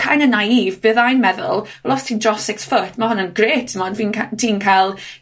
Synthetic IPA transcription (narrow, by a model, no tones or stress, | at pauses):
kʰajnənajiːvbɨðajnmɛðʊ̰lˠ | lɔstʰiːndrɔsɪksfətʰmahʊnənɡreːtʰəmɔnviːntʰiːnkʰalˠ